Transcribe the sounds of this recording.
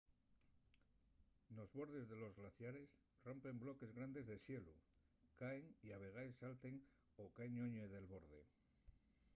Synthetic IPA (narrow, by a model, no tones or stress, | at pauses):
no̞zβo̞ɾð̞e̞zðe̞lo̞zɣlaθjaɾe̞s | ro̞mpe̞mblo̞ke̞zɣɾand̪e̞zðesjelu | kaeŋiaβ̞e̞ɣ̞aesːalt̪e̞ŋ | o̞kaeɲoɲeðe̞lβo̞ɾðe̞